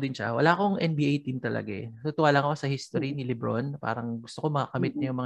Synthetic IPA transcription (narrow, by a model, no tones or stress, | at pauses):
d̪ɪnʃɐ̰wɐ̰laːkoŋʔɛnbiʔajt̪imt̪ɐlɐ̰ɡaɛt̪ʊt̪ʊwaːlɐŋɐkosɐhist̪oɾinɪlɪbɾo̰npa̰ːɾɐŋɡʊst̪oko̞mɐkɐkɐmɪt̪̚nɐjʊŋmɐŋ